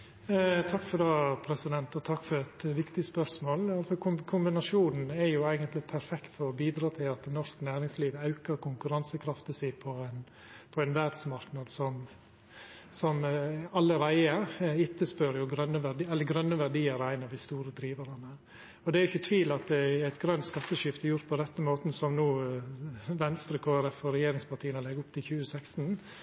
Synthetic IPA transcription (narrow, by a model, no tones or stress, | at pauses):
t̪ʰɑkːfɔd̪ɑːpʰɾɛsɪd̪ɛnt̪ɔt̪ʰɑkːfɔɾɛt̪ʋɪkt̪ɪspœsmoːlɑlsɔkʰʊmkʰʊmbɪnɑʂuːnn̩ɛɾjʊæɪɡənt̪lɪpʰæɾfɛkt̪fɔɾɔbiːd̪ɾɑːt̪ʰɪlɑt̪̚d̪ɛnɔɾsknæːɾɪŋsliːʋəɑʉkəɾkʊŋkʉɾɑnsəkʰɾɑft̪əsiːpʰɔɛn | pʰɔɛnʋæɾd̪smɑɾknɑd̪sɔm | sɔmɑlːəɾæɪəɪt̪ːəspøɾjʊɡɾœnːəʋæɛlːəɾɡɾœnːəʋæɾɖiːəɾæɪnɑʋd̪ɪst̪uːɾəd̪ɾiːʋəɾɑnə | ɔd̪ɛæɾjʏçːət̪ʰʋiːlɑt̪̚d̪ɛæɪt̪ɡɾœnt̪skɑt̪ːəʃɪft̪əjʊɾt̪̚pʰɔɾɛt̪ːəmoːt̪n̩sɔmnuː | ʋɛnst̪ɾəkʰoːæɾɛfɔɾɛjeːɾɪŋspɑʈʰiːənɔlɛɡʊpt̪ʰɪlçʉːəsækst̪n̩